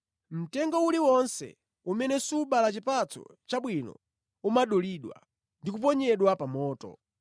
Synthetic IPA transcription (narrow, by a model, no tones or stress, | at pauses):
m̩tɛŋɡɔuliwɔnsɛ̰ | umɛnɛsuɓalat͡ʃipat͡sʰɔ̰t͡ʃaɓwinɔ̰ | umaɗɔliɗwa̰ | ndikup̬ɔɲɛɗwapamɔːtɔ̰